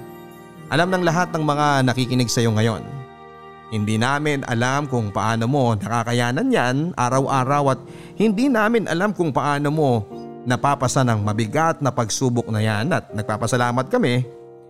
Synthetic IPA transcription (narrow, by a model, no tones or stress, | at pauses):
ʔɐlamnɐŋlɐɦat̪̚nɐŋmɐŋanɐkikɪnɛɡsɐjo̞ŋɐjo̞̰n | hɪnd̪iːnaːmɪnʔɐ̰lamkʊŋpɐ̰ʔaːno̞mo̞nɐkakɐjaːnɐnjanʔaːɾɐwʔaːɾɐwɐt̪̚ | hɪnd̪inaːmɪnʔɐ̰lamkʊŋpɐʔaːno̞mo̞nɐpaːpɐsanɐŋmɐbɪɡat̪̚nɐpɐɡsuːbʊk̚nɐjanɐt̪̚nɐɡ̚paːpɐsɐlaːmɐt̪̚kɐmɛ